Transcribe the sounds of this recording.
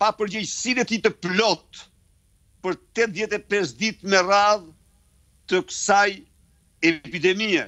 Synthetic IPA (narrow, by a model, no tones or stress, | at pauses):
papəɾd͡ʑɛjsinɛt̪it̪əplɔt̪ | pəɾt̪ɛt̪ðjɛt̪ɛpɛsd̪it̪mɛrað | t̪əkəsaj | ɛpid̪ɛmiɛ